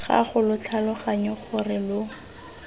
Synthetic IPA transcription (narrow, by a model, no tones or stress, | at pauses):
χa̰χʊlʊt͡ɬʰalʊχaɲɔχʊrɪlʊ